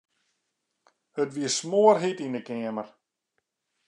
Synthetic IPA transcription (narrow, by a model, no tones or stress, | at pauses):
hətʋiəsmoərɦitindəkɛəmər